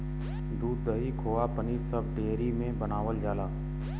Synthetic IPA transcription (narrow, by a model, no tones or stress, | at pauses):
d̪uːd̪ːəɦikʰoːapəniːɾsəbɖeːɾimẽbənaːʋəld͡ʒaːlaː